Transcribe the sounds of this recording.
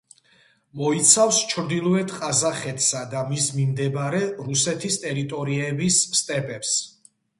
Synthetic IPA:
mɔit̪sʰafst͡ʃʰɾd̪ilˠɔɛt̪ʰqʼazaχɛt̪ʰʼsad̪amismimd̪ɛbɾɛɾusɛt̪ʰist̪ʼɛɾit̪ʼɔɾiɛbisːt̪ʼɛpʼɛps

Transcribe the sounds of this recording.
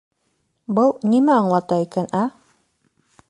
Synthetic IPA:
bɤlˠnimæɑɴlˠɑt̪ɑikænæ

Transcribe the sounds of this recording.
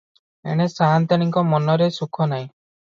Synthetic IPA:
ḛɽ̃esant̪aɽ̃iŋkɔmɔnɔɾesukʰɔnaĩ

